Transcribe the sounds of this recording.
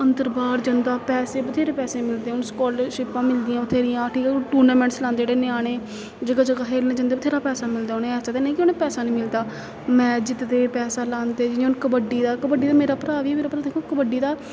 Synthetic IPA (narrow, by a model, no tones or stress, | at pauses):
ənt̪əɾbaːɾd͡ʒənd̪aːpɛːseːpt̪ʰeːɾeːpɛːseːmɪld̪eːʊnskɔːləɾʃɪpãːmɪld̪ɪjãːʊt̪ʰːeːɾijãːʈʰiːkaːʈuːɾnaːmɛ̃ːɳʈslãːnd̪eeɽeːnɪaːɽ̃eː | d͡ʒəɡaːd͡ʒəɡaːɦeːɾẽːd͡ʒənd̪eːpət̪ʰeːɾaːpɛːsaːmɪld̪aːʊneɛːsaːd̪eːnə̃iːkɪʊneːpɛːsaːnĩːmɪld̪aː | mɛ̃ːd͡ʒɪt̪d̪eːpɛːsaːlãːnd̪eːd͡ʒɪ̃ːʊnkəbəɖiːd̪aːkəbəɖiːd̪aːmeːɾaːpəɾaːʋiːɛːmeːɾaːpɾaːt̪ʰekõkəbəɖiːd̪aː